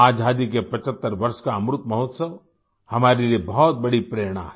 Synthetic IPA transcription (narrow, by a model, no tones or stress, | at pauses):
aːd͡ʒʱaːd̪ikepɐt͡ʃət̪ːəɾʋɐɾʃkaɐmɾʊt̪mɐɦɔt̪səʋ | hɐmaːɾeliebɔɦt̪̚bɐɽipɾeːɾɽ̃ã̰ɦɛ